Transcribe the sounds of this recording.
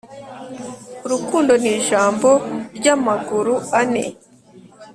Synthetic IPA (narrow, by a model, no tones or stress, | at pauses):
uɾukuːndo̞niːʒaːmbo̞ɾɟamaɡuɾuanḛ